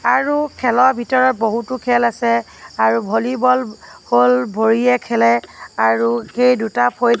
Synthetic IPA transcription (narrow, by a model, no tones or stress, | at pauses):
aɹukʰɛlɔɹbʱitɔɹɔt̚boɦutʊkʰɛlasɛ | aɹubʱolibɔlholbʱoɹijɛkʰɛlɛaɹuxejdutapʰoj